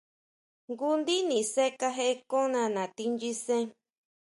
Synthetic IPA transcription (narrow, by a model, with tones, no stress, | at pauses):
ŋɡu˦nd̪i˦nĩ˨se˦ka˦ɦe˦kõ˦nã˧nã˨t̪i˧nd͡ʒi˦sẽ˦